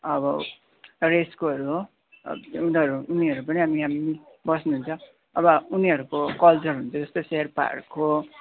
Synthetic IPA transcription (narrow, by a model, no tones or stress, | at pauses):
ʌbʌ | reskoɦʌɾuɦo̰ | unʌɾuːniʌɾupʌniɦamiɦamii | bʌsnuɦunt͡sʰʌ | ʌbʌuniʌɾukokʌlt͡sʌrɦunt͡sʰʌd͡zʌst̪oseɦʌrpa̰rkʰo